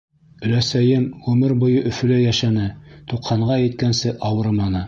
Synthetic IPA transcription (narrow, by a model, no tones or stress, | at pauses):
ɵ̆læsæjɘmʁʉmɘɾbŭjɤʔɵ̆fɵ̆læjæʃænɘt̪uqʰːɑɴɢɑjɘ̆t̪̚kænsɘʔɑwɤɾmɑnɤ